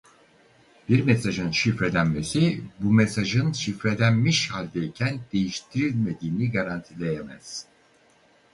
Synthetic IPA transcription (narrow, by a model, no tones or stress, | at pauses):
biɾmesaʒɯnʃifɾe̞d̪ænme̞sibumesaʒɯnʃifɾe̞d̪ænmiʃhalʲd̪eicʰænd̪̥e̞jiʃt̪ʰiɾilʲme̞d̪iːniɡaɾant̪ʰilʲejemæ̰z̥